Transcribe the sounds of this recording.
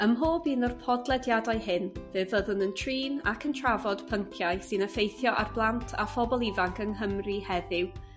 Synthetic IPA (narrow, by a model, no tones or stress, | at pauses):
əmɦoːbiːnɔrpʰɔdlˠɛdjadaɨɦɪnvɨːvəðʊnəntʰriːna̰kʰəntʰravɔd̥pʰəŋkʰjaɨsɨnəfejθjɔʔarblˠantʰa̰fɔbɔlˠivaŋkʰəŋɦəmrihɛðɪw